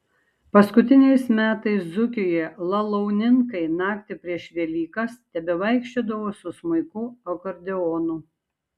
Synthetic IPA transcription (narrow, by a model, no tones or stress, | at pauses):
pɐskʊt̪ʲɪnʲɛɪsmʲæːt̪ɐɪszʊkʲojɛlˠɐlˠɐʊnʲɪŋkɐɪnɑːkt̪ʲɪpʲɾʲiɛʃʋʲiɛlʲiːkɐst̪ʲɛbʲɛʋɐɪkʃʲt͡ʃʲod̪ɐʋoːsʊsmɐɪkʊɐkɔɾʲd̪ʲɛoːnʊ